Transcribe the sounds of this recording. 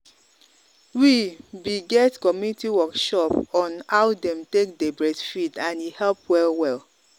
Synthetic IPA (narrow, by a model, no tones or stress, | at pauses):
wibiɡɛtkɔmjunitiwɔkʃɔpɔ̃nhawdɛ̃mtek̚debɹɛsfidãnihɛlpwɛlwɛl